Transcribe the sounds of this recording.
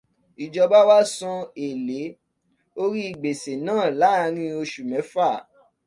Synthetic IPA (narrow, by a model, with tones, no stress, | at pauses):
i˨d͡ʒɔ˧ba˦wa˦sɔ̃˧e˨le˨˦ | o˦ɾi˦i˨ɡ͡be˨se˨nãː˦˨la˨˦˨ɾ̃ĩ˧˦o˧ʃu˨mɛ̃˨˦fa˦˨